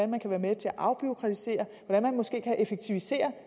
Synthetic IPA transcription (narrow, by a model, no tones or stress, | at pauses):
ænmænkʰæʋæːɐmet͡sʰe̝æʔɑ̈ʊb̥iʁo̝kʰʁɑ̈t͡sʰise̝̰ːɐʋɒɾ̥ænmænmɒ̽sɡ̥e̝̰ːkʰæʔefeɡ̥̚t͡sʰiʋise̝̰ːɐ